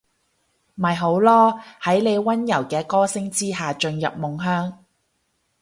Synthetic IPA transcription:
mɐ˨˩jɦo˨˥wlɔː˥hɐ˨˥jle˨˧jwɐ˥njɐ̰˨˩wkɛː˧kɔː˥sɪ˥ŋt͡siː˥ɦaː˨t͡ʃɵ˧njɐ̰˨p̚mʊ˨ŋɦœː˥ŋ

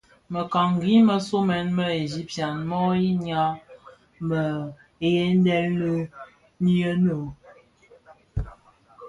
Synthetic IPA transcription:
mə˨ka˨ŋɡi˨˦mə˨so˦mɛ˨˦nmə˦e˨zi˦p̚tja˨nmɔ˦ji˦ɲa˦ | mə˨ | e˨je˦n˦dɛ˦lnə˦ | ni˦ə˦nə˨

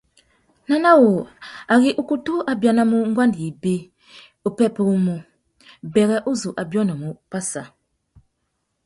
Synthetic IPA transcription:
na˦na˦wo˨a˨ɣi˦ʔu˦ku˦tu˦a˨bja˨na˦mu˦ŋ̩˦ɡwa˦ndi˨ji˨be˦ | u˨pɛ˦pɛ˦u˦mu˨ | bɛ˨ɣɛ˦ʔu˦zu˨ʔa˨bjɔ˦na˨mu˨pa˦sa˨

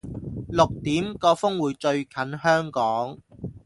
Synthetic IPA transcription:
lʊ˨k̚t̪iː˨˥mkɔː˧fʊ˥ŋwuː˨˧jt͡ʃɵ˧ɥkʰɐ˨˥nhœː˥ŋkɔː˨˥ŋ

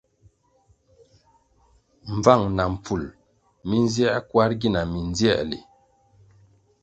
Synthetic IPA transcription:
ɱ˨b͡va˦˨ŋna˨m̩˨p͡fu˨l | mi˦n˦zjɛ˦ʔkwa˦ɾɡi˦˨na˨mi˨n˦zjɛ̰˦˨lḭ˨

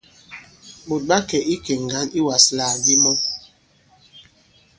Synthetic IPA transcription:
ɓo˨t̚ɓa˦kɛ˨ʔi˦ke˨ŋ˨ɡa˦ni˦wa˨slaː˨ɡi˦mɔ˦

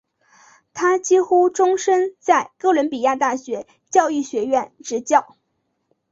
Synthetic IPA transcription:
t̪ʰa˥t͡ɕi˥xu˥ʈ͡ʂʊ˥ŋʂə˥nt͡sa˥˧ɪkɤ˥˩wə˧˥npi˨˩ja˥˧t̪a˥˩ɕɥɛ˧˥ | t͡ɕjɑ˥˧ʊi˥˩ɕɥɛ˧˥ɥɛ˥˩nʈ͡ʂɻ̩˧˥t͡ɕjɑ˥˩ʊ

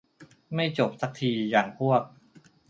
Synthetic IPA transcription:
ma˥˩jt͡ɕo˨˩p̚sa˨˦˥k̚t̪ʰiː˧jaː˨˩ŋpʰu˥˩ɐk̚

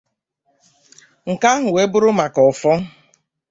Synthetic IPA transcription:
ŋ̩˨ka˦ɦʊ˨we˦bʊ˦ɾʊ˦ma˨kɔ˨fɔ˦

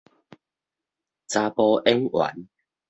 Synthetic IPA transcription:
t͡saː˧pɔ˧ʔɛ˦˥ŋwa̰˨˦n

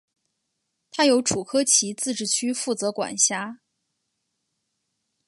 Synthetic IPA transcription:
t̪ʰa˥jo˧˥ʊʈ͡ʂʰu˨˩kʰɤ˥t͡ɕʰi˧˥t͡sɹ̩˥˧ʈ͡ʂɻ̩˥˩t͡ɕʰy˥fu˥˩t͡sɤ˧˥kwa̰˨˩nɕja˥

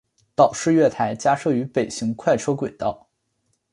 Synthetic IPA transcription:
t̪ɑ˨˩ʊʂɻ̩˥˧ɥɛ˥˩t̪ʰa˧˥ɪt͡ɕja˥ʂɤ˥˩y˧˥pe˨˩ɪɕi˧˥ŋkʰwa˥˩ɪʈ͡ʂʰɤ˥kwe˨˩ɪt̪ɑ˥˩ʊ

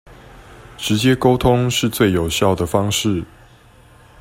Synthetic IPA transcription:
ʈ͡ʂɻ̩˨˦t͡ɕjɛ˦ko˥ʊt̪ʰʊ˦ŋʂɻ̩˥˧t͡swe˥˨ɪjo˨˩ʊɕjɑ˥˨ʊd̪ə˩fɑ˥ŋʂɻ̩˥˨

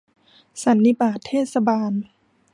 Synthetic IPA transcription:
sa˨˦nːi˧˥˩paː˧˩t̪ʰːeː˥˩t̪̚sa˧baː˧n

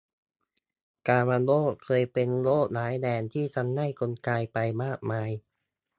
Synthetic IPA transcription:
kaː˧maː˧loː˥˩kʰɤː˧jpe˧nloː˥˩naː˩˦jdɛː˧nt̪ʰiː˥˩t̪ʰa˧˥nːa˥˩jko˧nkaː˧jpa˧jmaː˥˩k̚maː˧j

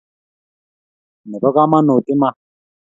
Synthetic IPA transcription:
nɛ˨ba˦ka˦ma˦nu˨ti˦ma˦

